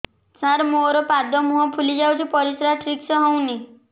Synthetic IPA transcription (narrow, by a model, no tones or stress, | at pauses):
saɾmoɾɔpad̪ɔmuɦɔpʰulid͡ʒawt̪ʰipɔɾisɾaʈʰɾiksɔɦɔw̃ni